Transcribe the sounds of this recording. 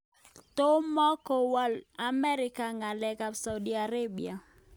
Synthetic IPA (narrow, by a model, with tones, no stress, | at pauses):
to˦mɔ˦kɔ˨wɔ˦la˨mɛ˦ɾɪ˦ka˨ŋa˨lɛ˨ka˨bsa˨u˨di˨a˨ɾe˦bḭ˨a˨